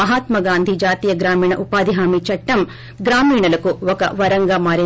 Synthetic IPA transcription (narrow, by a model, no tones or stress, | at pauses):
ɐɦaːt̪mɐɡaːnd̪ʱid͡ʒaːt̪iːjɐɡɾaːmiːɳɐʔupaːd̪ʱiɦaːmit͡ʃɐʈːɐm | ɡɾaːmiːɳɐlɐkuɔkɐ̰ʋɐɾɐŋɡaːmaːɾi